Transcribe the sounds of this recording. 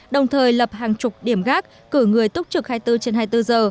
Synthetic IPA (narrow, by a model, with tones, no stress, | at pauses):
ɗə˨˩wŋ͡mt̪ʰəː˨˩jlə˨˩p̚haː˨˩ŋt͡ɕʊ˨˩k͡p̚ɗi˧˩əmɣaː˦˥k̚ːɨ˧˩ŋɨ˨˩əjt̪ʊ˦˥k͡p̚t͡ɕɨ˨˩k̚haː˧jt̪ɨ˧t͡ɕe˧nhaː˧jt̪ɨ˧zəː˨˩